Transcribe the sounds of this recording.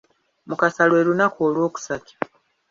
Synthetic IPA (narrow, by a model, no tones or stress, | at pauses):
mukasalwe̞ːɾunakoːlwo̞ːku̥sati̥